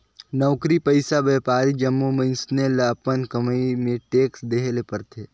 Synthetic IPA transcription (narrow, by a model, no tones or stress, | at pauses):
nɔːkɾipəɪsabeːpaːɾid͡ʒəmːumə̃nsnelapənkəməimẽʈeːksd̪eːɦlepəɾt̪ʰeː